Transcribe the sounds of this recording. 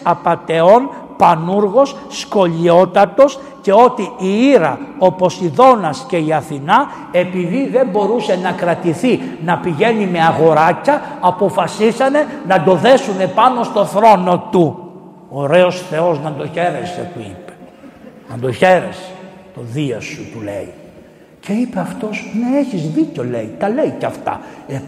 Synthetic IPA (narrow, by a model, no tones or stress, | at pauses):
ɐpɐt̪e̞o̞n | pɐnuɾɣo̞sːko̞ʎio̞t̪ɐt̪o̞s | ce̞o̞t̪iiiɾɐ̰o̞po̞siðo̞nɐsce̞iɐθinɐ | e̞piðiðe̞mbo̞ɾuse̞nɐkɾɐt̪iθinɐpiʝe̞nime̞ɐɣo̞ɾɐcɐːpo̞fɐsisɐne̞nɐd̪o̞ðe̞sune̞pɐno̞st̪o̞θɾo̞no̞t̪u | oɾe̞o̞sθe̞o̞znɐd̪o̞çe̞ɾese̞̰t̪uḭpe̥nɐnd̪o̞çe̞ɾḛse̥ | t̪o̞ðiɐsut̪ule̞̰i | ce̞ipeɐft̪o̞sneeçizðico̞le̞̰it̪ɐle̞icɐft̪ɐ̰e